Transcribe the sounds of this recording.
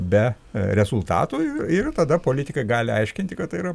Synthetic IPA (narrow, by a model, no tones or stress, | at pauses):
bʲɛ | ɾʲɛzʊlˠt̪ɑ̰ːt̪uɪɪrt̪ɐd̪ɐpoːlʲɪt̪ʲɪkɐɪɡɑːlʲɪɐ̰ɪʃʲkʲɪnʲt̪ʲɪkɐt̪t̪ːɐɪiɾɐ